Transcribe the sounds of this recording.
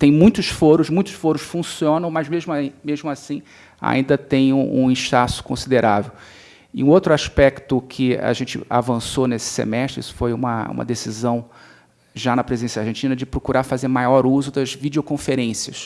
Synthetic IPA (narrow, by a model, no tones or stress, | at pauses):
t̪ẽj̃mũj̃t̪ʊʃfoɾʊʃmũj̃t̪ʊ̥ʃfoɾʊʃfũsiõnɐ̃w̃mɐzmeʒmʊmeʒmʊasĩ | a̰ʔĩnd̪ɐt̪ẽj̃ũṵ̃ĩʃt̪asʊ̥kõsid̪eɾʔavew | ɪũowt̪ɾʊaʃpɛkt̪ʊkʰɪa̰ʒẽnt͡ʃɪ̰a̰vɐ̃sonesɪ̥sḛmɛʃt̪ɾɪḭsʊ̥fojũmɐ̰ṵ̃mɐ̰d̪esizɐ̃w̃ | ʒanɐpɾezid̪ẽsjɐaɾʒẽnt͡ʃĩnɐd͡ʒɪpɾokuɾafazeɾmajɔɾuzʊd̪ɐzvid͡ʒiokõfeɾẽsiɐs